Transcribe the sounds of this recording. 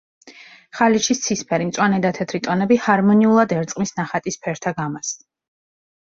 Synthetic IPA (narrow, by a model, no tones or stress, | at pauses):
χaliʃist̪sʰispʰɛɾimt̪sʼwanɛd̪at̪ʰɛt̪ʰɾit̪ʼɔnɛbihaɾmɔniulˠad̪ɛɾt̪sʼqʼmisnaχat̪ʼispʰɛɾt̪ʰaɡamas